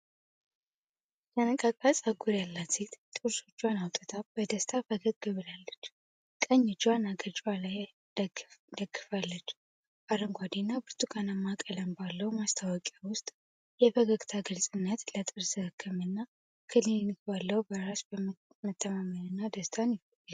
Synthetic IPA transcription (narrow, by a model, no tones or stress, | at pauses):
tənəkʼakʼasʼaɡuɾjalːat̪it̪t̪ʼuɾso̞t͡ʃːwanawt̪ʼət̪ʰab̥əd̪əst̪ʰabəɡəd̪̚ɡɨβɨlalːət͡ʃː | kʼəɲːɪt͡ʃːwanaɡət͡ʃʼwalaj | d̪əɡːɨfalːət͡ʃː | b̥aɾəŋɡʷad̪inːabɨɾt̪ʰʼukʼanəmːakʼələmbalːəwmast̪ʰawɔkʼawʊst̪ʼ | jɛbəɡəɡʼt̪ʰaɡɨlsʼɨnːət̪lət̪ʼɨɾsɨhɨkʰːɨmɨnːa | kʰɨlinnɨkbalːəwbəɾasb | mət̪ʰːəmamənɨnːad̪əst̪ʰanjfj